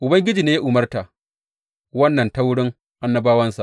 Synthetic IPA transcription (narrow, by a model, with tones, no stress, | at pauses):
ʔʊ˨bɐ˦ŋɡʲɪ˦d͡ʒiː˨neː˦ja˦ʔʊ˨mɐ˦rta˨ʔ | wɐ˦nːɐ˨nta˦wʊ˦ɽɪ˦ŋ | ʔa˦nːɐ˦baː˦wɐ˦nsa̰˨ʔ